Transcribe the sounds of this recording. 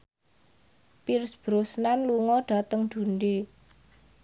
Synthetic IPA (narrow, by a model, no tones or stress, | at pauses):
pirsb̥ɾʊsnanluŋɔɖ̥a̤t̪əŋd̪̥ṳnɖe